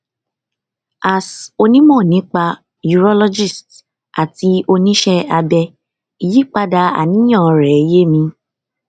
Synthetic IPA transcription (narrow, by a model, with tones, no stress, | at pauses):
a˨so˧nĩ˦mɔ̃˦˨nĩ˨˦k͡pa˧ | ju˧ɾɔ˦lɔ˦d͡ʒi˦˨st | a˨ti˧˦o˧nĩ˦ʃɛ˦a˧bɛ˧ | i˨ji˦k͡pa˧da˧a̰˨nĩ˨˦j̃ã˦˨ɔ˨˧ɾɛ˨˦je˦mĩ˧